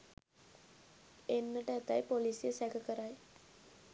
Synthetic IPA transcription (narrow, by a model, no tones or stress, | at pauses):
enːɐʈɐet̪ːajpoliːsijesɐkʰɐkɐraːj